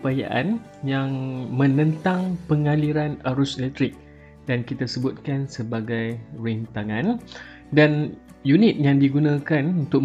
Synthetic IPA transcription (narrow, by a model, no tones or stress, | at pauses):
paja̰ʔan | jaŋmə̃nə̃nt̪aŋpəŋaliɾanaɾʊslɛt̪ɾɪk̚ | d̥ankit̪asəbʊt̪̚kansəbaɡajɾint̪aŋãn | dan | junit̪̚jaŋdiɡunãkanunt̪ʊk̚